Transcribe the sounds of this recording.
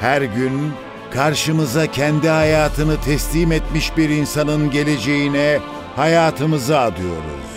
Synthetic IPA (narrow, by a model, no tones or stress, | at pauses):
hæɾɟyn | kʰaɾʃɯmɯzacʰɛnd̪ihajaːt̪ʰɯnɯt̪ʰɛslʲiːmɛt̪miʃbiɾinsanɯnɟe̞lʲe̞d͡ʒe̞jinɛ | hajaːt̪ʰɯmɯzɯad̪ɯjo̞̰ɾṵz̥